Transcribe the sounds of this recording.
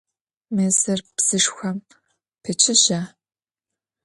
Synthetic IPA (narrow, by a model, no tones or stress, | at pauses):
mɨzɨrpz̥ɨʂxʷɐm | pʰɨt͡ʃʰɪʒaː